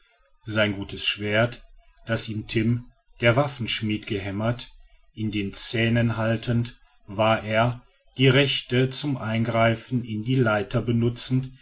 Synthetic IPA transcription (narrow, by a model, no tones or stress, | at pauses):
zaɪnɡuːtəsʃv̥eːɐt | d̥asiːmtʰɪm | d̥eːɐvafn̩ʃmiːtɡ̥əɦɛmɐt | ʔɪndeːnt͡sɛːnənɦaltʰənt | vaːɐʔeːɐ | d̥iːʁɛçtət͡sʊmʔaɪnɡʁaɪfn̩ɪndiːlaɪtʰɐbənʊt͡sn̩t